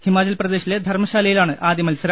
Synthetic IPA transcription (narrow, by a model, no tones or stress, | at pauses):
himaːt͡ɕɐlprɐd̪e̞ːɕiled̪ʱɐrmɐɕaːlɐjilaːɳɨʔaːd̪jɐmɐlsɐɾa